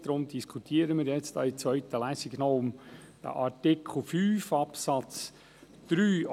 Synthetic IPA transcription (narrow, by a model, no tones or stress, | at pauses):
d̪̥ɾʊmd̪iskʰut̪ʰiːəɾəmɪːɾjɛt͡stɑ̰ːit͡sʋœʏt̪əlæːsɪɡ̥nɔʊmd̪̥ə̰ʔɑɾtɪkʰχl̩ˠfyːfɑpsɑt͡s | d̪̥ɾyː